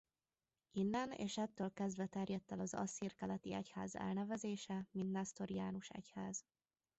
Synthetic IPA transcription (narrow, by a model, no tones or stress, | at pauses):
inːɛnḛːʃɛt̪ːøːlkɛzd̪vɛt̪ɛrjɛt̪ːɛlɒzɒ̰sirkɛlɛt̪iɛcha̰ːzɛ̰lnɛvɛzeːʃɛmint̪nɛst̪oɾjaːnuʃɛ̰chaːz̥